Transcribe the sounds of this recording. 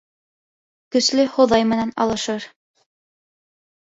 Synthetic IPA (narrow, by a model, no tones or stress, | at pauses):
kɵ̆slɘhŏðɑjmɘ̆nænɑ̰lˠɤ̆ʃɤɾ